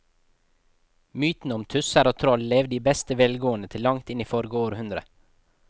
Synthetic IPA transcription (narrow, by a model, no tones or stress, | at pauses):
myːt̪n̩əɔmt̪ʰʉsæɾɑːt̪ʰɾɔlleːʋd̪iːbɛst̪əʋɛlɡoːənət̪ʰɪlːɑŋt̪ɪniːfɔɾɡəoːɾhʉnd̪ɾə